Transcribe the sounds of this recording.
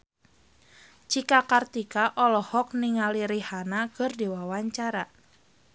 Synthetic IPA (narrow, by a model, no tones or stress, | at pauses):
t͡ʃikakart̪ikaʔɔlɔhɔk̚niŋaliɾihanakɨrdiwawaɲt͡ʃaɾa